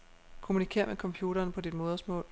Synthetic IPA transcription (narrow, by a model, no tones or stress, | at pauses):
kʰo̝munikʰe̝̰ːɐ̰mekʰɒ̽mpʰjuːɾ̥ɐːnpʰɒ̽d̥id̥mo̝ːðˠɐsmɔ̰̽ːl